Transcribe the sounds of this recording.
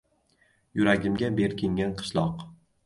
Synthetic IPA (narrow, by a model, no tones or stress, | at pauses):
jʊɾaɡʲɪmɡʲabe̞ɾkʲɪŋɡʲanqʰɨ̥ʃlˠɒq